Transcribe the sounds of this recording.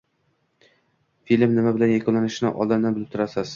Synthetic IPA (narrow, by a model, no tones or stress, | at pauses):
filʲmnɪmabɪlanjakɒnlanɪʃɪnɪ̰ʔɒ̰lˠd̪ɪnnːɪbɪlɪp̚t̪ʰʊɾasɪz̥